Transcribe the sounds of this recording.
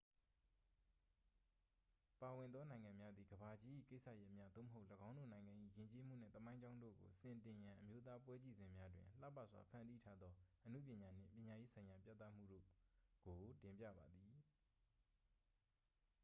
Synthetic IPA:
pa˨wɪ̃˨nd̪ɔ˦nã˨ɪ̃ŋã˨mja˦d̪i˨ɡəba˨d͡ʑi˦ʔḭ˦˨ke˦ɪʔsʰa̰˦˨jɛ˦ʔmja˦d̪o˦˨mə˨ɦo˦ʊʔləɡã˦ʊ̃ndo̰˦˨nã˨ɪ̃ŋɡã˨ʔḭ˦˨jɪ̃˨ɲt͡ɕe˦m̥ṵ˦˨n̥ɛ̰˦˨t̪ə˦mã˦ɪ̃ɲd͡ʑã˦ʊ̃ndo̰˦˨ɡo̰˨sɪ̃˨ntɪ̃˨jã˨ʔəmjo˦t̪̬a˦pwɛ˦t͡ɕi˦˨zɪ̃˨mja˦dwɪ̰̃˨l̥a̰˦˨pa̰˦ʔswa̰˨pʰã˦˨ndi˦tʰa˦d̪ɔ˦ʔənu˦˨p̬jɪ̃˨ɲa˨n̥ɪ̰̃˦˨mpʲjɪ̃˨ɲa˨je˦sʰã˨ɪ̃ja˨pja̰˦˨t̪a˦˨m̥ṵ˦˨ɾo̰˦˨ɡ̥o˨tɪ̃˨mpjä̰˦˨ba˨d̪ði˨

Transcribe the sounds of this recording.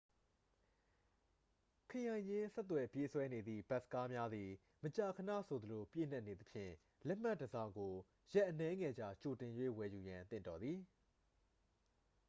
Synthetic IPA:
kʰə˨jã˨ɪ̃ɲd͡ʑɪ̃˦sɛ˦t̪̬ːwɛ˨pje˦swɛ˦ne˨d̪ðḭ˦˨ba˦ʔsə̥ka˦mja˦d̪i˨ | mət͡ɕa˨kʰənä̰˦˨sʰo˨d̪ə˨lo˨pjḛ˦˨n̥a˦ʔne˨d̪ə˨pʰjɪ̰̃˦˨ | lɛ˦m̥a˦˨dəzã̰˦˨ŋɡo˨ | jɛ˦ʔənɛ˦ŋɛ˨d͡ʑa̰˨t͡ɕo˨tɪ̃˨jwḛ˦˨wɛ˨ju˨jã˨nt̪ɪ̰̃˦˨ndɔ˨d̪ði˨

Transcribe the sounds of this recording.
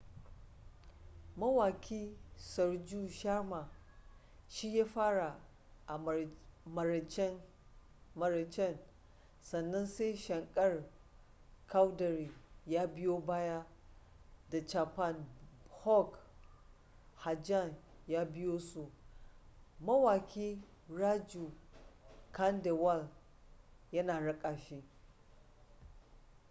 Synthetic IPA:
mɐ˦waː˨kʲʰiː˦sɐ˨rd͡ʒuː˦ʃa˦rma˨ | ʃi˦jaː˦ɸaː˦ɽa˨ | ʔa˨mɐ˨ɾt͡ʃ | mɐ˨ɾt͡ʃɛ˦˨n | sɐ˨nːɐ˦nse˦jʃɐ˨ŋkʼɐ˦r | kʰa˦wdɐ˨ɾiː˨jaː˦bɪ˦joː˦baː˦ja˦ | da˨t͡ʃa˨pa˦˨nhɔ˦k | ha˨d͡ʒa˦˨n | jaː˦bɪ˦joː˦su˨ | mɐ˦waː˨kʲiː˦ɾa˦d͡ʒu˨ | ka˦nde˨wa˦˨l | jɐ˦naː˨ɽɐ˦kʼaː˨ʃiː˦

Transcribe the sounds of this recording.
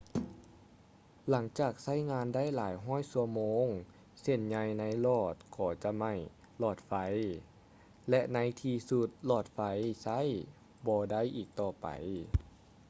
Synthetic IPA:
la˩˦ŋt͡ɕaː˨˩k̚sa˥˩jŋaː˧nda˥˩˨jlaː˨˩˦jɦɔː˥˨jsu˧ɐəmoː˧˥ŋ | se˧˩nɲa˧jna˧˥jlɔː˧˩t̪̚kʰɔː˧˩t͡ɕa˧ma˧˩j | lɔː˧˩t̪̚fa˧˥j | lɛ˧˥ʔna˧˥jt̪ʰiː˧su˧t̪̚lɔː˧˩t̪̚fa˧jsa˧˥˨j | bɔː˧da˥˩˨jʔiː˨˩k̚t̪ɔː˧˩pa̰˨˩j

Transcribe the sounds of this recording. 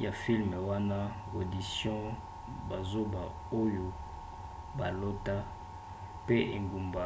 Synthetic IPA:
ja˨fi˦lme˨wa˦na˦o˨di˨sjɔ̃˦ | ba˨zo˦ba˨ | o˦jo˨ | ba˨lo˦ta˦ | pe˦ʔe˨ŋɡu˨mba˨

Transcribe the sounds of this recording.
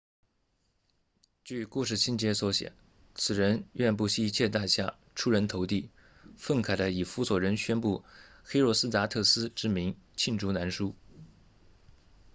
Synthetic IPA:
t͡ɕy˥˩ku˥˧ʂ̬ɻ̩˥˩ɕi˥nt͡ɕjɛ˥swɔ˧˥ɕjɛ̰˨˩˦n | t͡sʰɹ̩˨˩ɻə˧˥nɥɛ˥˧np̬u˥˩ɕi˥˧˥t͡ɕʰjɛ˥˧t̪a˥˧ɕja̰˥˩ | ʈ͡ʂʰu˥ɻə˧˥nt̪ʰo˧˥ʊt̪i˥˩ | fə˥˩ŋkʰa˨˩ɪlə˧˥i˨˩fu˧˥swɔ˨˩ɻə˧˥nɕɥɛ˥npu˥˩xe˥ɪɻɔ˥˩s̩˥t̪a˧˥t̪ʰɤ˥˩sɹ̩˥ʈ͡ʂɻ̩˥mi˧˥ŋ | t͡ɕʰi˥˩nʈ͡ʂʰu˧˥na˧˥nʂu˥

